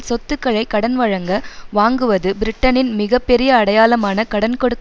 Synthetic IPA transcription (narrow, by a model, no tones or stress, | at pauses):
sɔt̪ːɯkːɐɻɐɪkːɐɽɐnʋɐɻɐŋɡɐʋaːŋɡɯʋɐðɯbɪɾɪʈːɐnɪnmɪɣɐpːɛɾɪjɐːɽɐjaːlɐmaːnɐkɐɽɐnkɔɽɯt̪ː